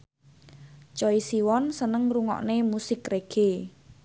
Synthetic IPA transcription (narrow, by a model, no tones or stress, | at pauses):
t͡ʃɔisiwɔnsənəŋruŋɔ̰ʔnemusɪkreɡ̥e